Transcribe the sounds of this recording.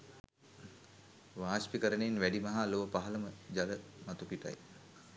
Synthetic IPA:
ʋaːʃpikəɾənenʋæɖimaɦaloʋəpaɦələməd͡ʒaləmat̪ukiʈa̰j

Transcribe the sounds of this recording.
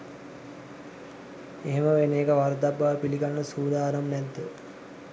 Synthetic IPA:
eɦeməʋeneːkəʋaɾd̪abːaʋpiliɡanːəsuːd̪aːɾəmnɛd̪ːə

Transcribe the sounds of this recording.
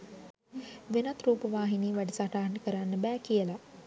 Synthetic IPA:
ʋenat̪ɾuːpəʋaːɦiniːʋæɖisaʈaːnəkəɾanːəbæːkijəla

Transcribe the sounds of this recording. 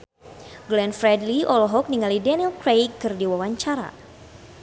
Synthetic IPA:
ɡlɛnfɾɛdliʔɔlɔɦɔk̚niŋalidɛnilkɾejkːɨrdiwawaɲt͡ʃaɾa̰

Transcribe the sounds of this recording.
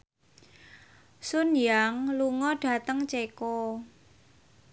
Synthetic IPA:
sʊnjaŋluŋɔɖ̥ä̤t̪əŋt͡ʃekɔ

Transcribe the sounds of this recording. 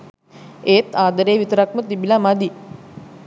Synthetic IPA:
eːt̪aːd̪əɾeːʋit̪əɾakmət̪ibilamad̪i

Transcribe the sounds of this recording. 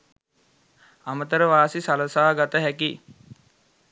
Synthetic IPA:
amət̪əɾəʋaːsisaləsaːɡat̪əɦæki

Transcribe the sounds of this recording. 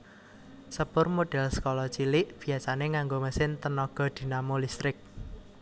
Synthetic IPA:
səpʊrmoɖ̥ɛ̤lsə̥kolɔt͡ʃilɪʔb̥i̤jasaneŋaŋɡoməsɪnt̪ənɔɡ̥ɔ̤d̪̥i̤namolist̪ɾɪk̚

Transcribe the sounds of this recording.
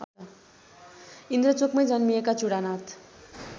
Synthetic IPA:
ʌa | ind̪ɾʌt͡sokmʌjd͡zʌnmiekat͡suɽanat̪

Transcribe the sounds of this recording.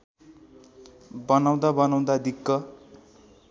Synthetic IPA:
bʌnaw̃d̪abʌnaw̃d̪ad̪ikːʌ

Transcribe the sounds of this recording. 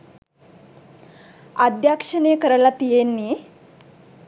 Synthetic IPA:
ad̪jakʂɐnekəɾɐlat̪ijenːi

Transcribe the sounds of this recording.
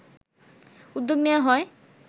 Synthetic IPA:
ud̪ːoɡnewaɦɔe

